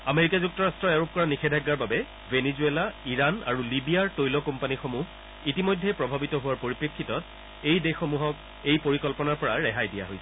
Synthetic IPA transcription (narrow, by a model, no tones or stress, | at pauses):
ameɹikazuk̚tɔɹastɹɔaɹup̚kɔɹanixʰɛdʱaɡːaɹbabɛ | venizuelaiɹana̰ɹulibijaɹtojlɔkɔmpanixomuɦ | itimojdʱɛpɹɔbʱabitɔɦʊwaɹpoɹipɹikʰːitɔt̚ | ejdexomuɦɔk̚ | ejpoɹikɔlpɔnaɹpɔɹaɹɛɦajdija̰ɦojsɛ